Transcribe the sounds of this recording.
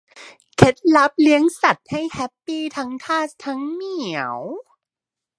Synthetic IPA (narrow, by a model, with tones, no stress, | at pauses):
kʰe˦˥t̪̚la˦˥p̚li˨˦˥əŋsa˨˩t̪̚ha˥˩jhɛ˦˥pːiː˥˩t̪ʰa˦˥ŋt̪ʰaː˥˩st̪ʰːa˦˥ŋmi˨˩ə˦w